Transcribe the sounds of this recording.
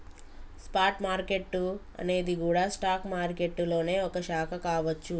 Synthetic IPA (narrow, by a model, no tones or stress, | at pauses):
spaːɾʈmaːɾke̞ʈːu | ɐ̰ne̞ːd̪ikuːɽaːsʈaːkmaːɾke̞ʈːulo̞ːne̞ːɔkɐʃaːkʰɐkaːʋɐt͡ʃːu